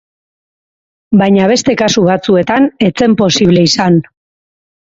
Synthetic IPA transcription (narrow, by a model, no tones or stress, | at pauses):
bajɲaβ̞e̞st̪e̞kasuβat͡sue̞t̪ane̞t͡se̞mpo̞siβle̞isan